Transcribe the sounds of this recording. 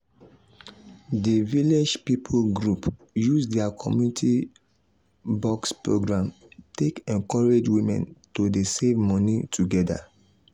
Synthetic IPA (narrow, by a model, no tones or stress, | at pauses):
deviled͡ʒpipʰoɡɹup | jusdɛakʰɔ̰mjunitʰi | bɔkspɹoɡɹãm | tekɛ̃nkɔɹed͡ʒwĩmɛ̰̃ntodesevmɔ̃nitʰuɡɛda̰